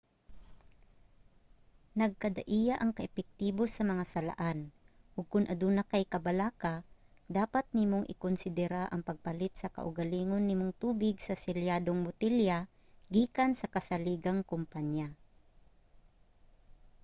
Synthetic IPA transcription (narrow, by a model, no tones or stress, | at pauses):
nɐɡ̚kɐd̪aʔijaʔɐŋkɐʔɛpɛk̚t̪iːbosɐmɐŋasɐla̰ʔan | ʔʊɡ̚kʊnʔɐd̪uːnakajkɐbalaːka | d̪aːpat̪̚nimoŋʔɪ̰kʊnsɪd̪ɛɾaʔɐ̰ŋpɐɡ̚pɐlɪt̪̚sɐkɐ̰ʔʊɡaliːŋonːɪmʊŋt̪uːbɪɡsɐsɪljad̪oŋmʊt̪ilja | ɡiːkansɐkɐsɐliːɡaŋkʊmpaɲja